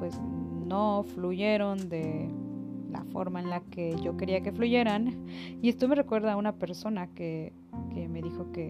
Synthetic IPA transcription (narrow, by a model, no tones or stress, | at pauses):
pwesnofluʝeɾond̪e | la̰fo̰ɾmaenlakeʝokeɾiakefluʝeɾaniest̪omerekweɾðaunapeɾsonake | kemeðixoke